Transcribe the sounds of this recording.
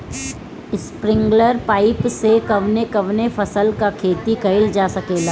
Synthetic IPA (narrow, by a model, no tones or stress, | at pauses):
ɪspɾɪ̃ŋɡləɾpaːɪpsekɐʋnekɐʋnefɐsəlkakʰeːt̪ikɐɪld͡ʒaːsɐkeːlaː